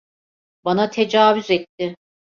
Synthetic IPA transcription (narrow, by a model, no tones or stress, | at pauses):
banat̪ʰe̞d͡ʒaːvyzɛt̪ːɪ